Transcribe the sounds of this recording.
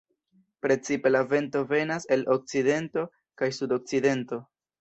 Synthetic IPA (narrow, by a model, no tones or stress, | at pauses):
pɾe̞t͡sipe̞lave̞nto̞ve̞nase̞lok̚t͡side̞nto̞ | kajsudo̞k̚t͡side̞nto̞